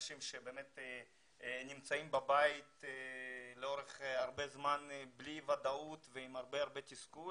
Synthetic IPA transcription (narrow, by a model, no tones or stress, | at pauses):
ʃimʃebeːmet̪ | nimt͡saimbabajit̪ | leo̞ɾeχaɾbezmanblivad̪aut̪veimaʁbeaʁbet̪isku